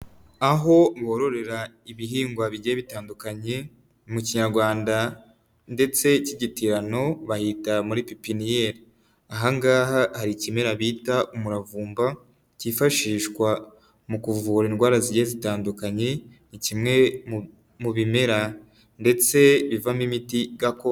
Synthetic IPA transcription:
aɦo̞βoːɾo̞ɾe̞ɾa | iβiɦiːŋɡwaβiɟeeβitaːndukaɲe̞ | muciɲaɾɡwaːnda | nde̞t͡se̞ciɟitiɾano̞βahitamuɾipipinijeːɾi | aɦaŋɡaːɦahaɾicime̞ɾaβiːtaʔumuɾavuːmba | cifaʃiːʃkwa | mukuvuːɾainɡwaːɾaziɟeezitaːndukaɲe̞nicimŋe̞ | muβime̞ɾa | nde̞t͡se̞βivamimitiɡako

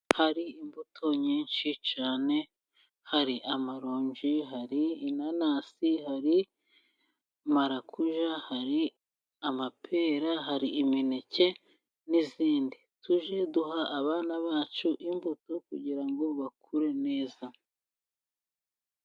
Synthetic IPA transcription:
haɾiimbutʰo̞ɲiːnʃit͡ʃaːne̞ | haɾiʔamaɾoːɲd͡ʒiɦaɾiːnanaːsihaɾi | maɾakʰuʒahaɾi | amapʰe̞ːɾaɦaɾiːminece̞ | niziːndituʒe̞duɦaʔːβaːnaβaːt͡ʃuʔimbutokuɟiɾaŋɡo̞βakʰuɾe̞ne̞ːza

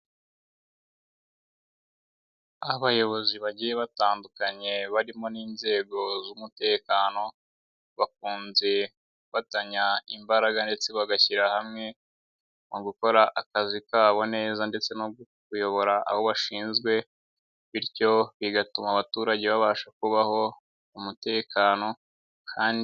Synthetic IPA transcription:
aβajo̞βo̞ziβaɟije̞βataːndukaɲe̞βaɾimo̞niːnze̞ːɡo̞zumute̞ːkaːno̞ | βak̚uːnze̞ | kkufataɲaimbaɾaɡande̞t͡se̞βaɡaçiɾahamŋe̞ | noɡuko̞ɾaʔakazikaːβo̞ne̞ːzande̞t͡se̞noɡukujo̞βo̞ɾaʔa̰βo̞βaʃiːnzɡwe̞ | βiɾco̞βiɡatumaβatuːɾaɟe̞βaβaːʃakuβaho̞ | umute̞ːkaːno̞ | kʰaːndi

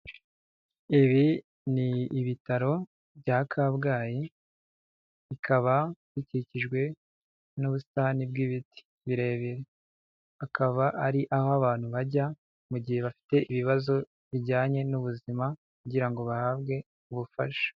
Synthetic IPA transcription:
iβi | niːβitaɾo̞ | bɟakʰabɡaːji | ikʰaβaβiciiciʒɡwe̞ | nuβustaːnibɡiβiti̥ | βiɾe̞ːβeɾe | akʰaβaʔaɾiʔahoaβaːn̥huβaɟa | muɟihe̞βafi̥te̞ʔiβiβazo̞ | βiɟaːɲe̞nuβuzimakuɟiɾaŋɡo̞βahaːbɡe̞ | uβufa̰ʃo̥

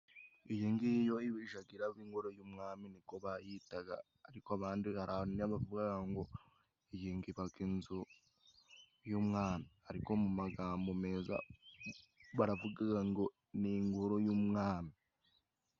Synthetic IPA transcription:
ijiːŋɡijo̞iβiʒaɡiɾaβiːŋɡoɾojuːmŋaːminiko̞βajitaɡa̰ | aɾikoaβaːndihaɾʔanaβavuɡaɡaŋɡo̞ | ijiːŋɡiβaɡinzo | juːmŋaːnahaɾiko̞mumaɡaːmbo̞me̞ːza̰ | βaɾavuɡaɡaŋɡo̞ | niŋɡoɾo̞juːmŋaːmi

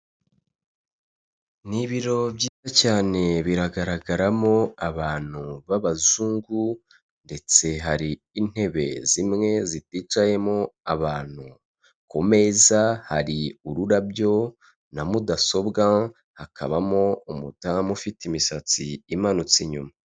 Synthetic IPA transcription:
niβiɾo̞bɟiːzacaːne̞βiɾaɡaɾaɡaɾamo̞aβaːn̥uβaβazuːŋɡu | nde̞t͡se̞ɦaɾiːn̥he̞βe̞̰zimŋe̞zitit͡ʃaje̞mo̞aβaːn̥u | ko̞me̞zaha̰ɾiuɾuɾabjo̞ | namudaso̞bɡa | hakʰa̰βamo̞umutamufitimisat͡sḭimanut͡siɲṵma

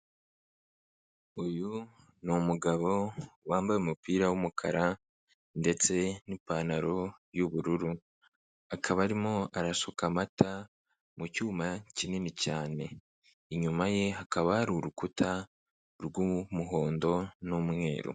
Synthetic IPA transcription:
uju | nomuɡaβo̞waːmbajumupiːɾawumukʰa̰ɾa | nde̞t͡se̞nipaːnaɾo̞juβuɾuɾu | akʰaβaɾimo̞aɾasokamata | mucuːmacininicaːne̞ | iɲumaje̞ɦakaβaːɾuɾukutʰa | ɾɡumuɦo̞ːndo̞numŋe̞̰ːɾo̰

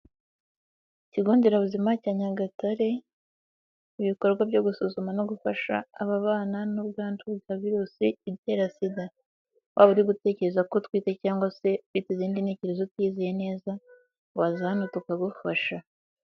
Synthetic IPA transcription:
ciɡo̞ːndeɾaβuzimacaɲaɡataɾe̞ | iβiko̞ɾɡwabɟo̞ɡusuzumanoɡufaʃa̰ːβaβaːnanubɡaːntubɡaːviɾusiiɾjeɾasida | wʔaβuɾiɡute̞ːce̞ɾe̞zako̞twiːtecaːŋɡwase̞witiziːndinhe̞ːce̞ɾe̞zotwiːzijene̞ːza | wazanutukaɡufaʃa

